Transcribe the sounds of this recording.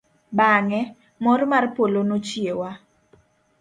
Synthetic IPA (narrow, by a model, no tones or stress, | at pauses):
baŋɛ | mɔrmarpolonot͡ʃiewa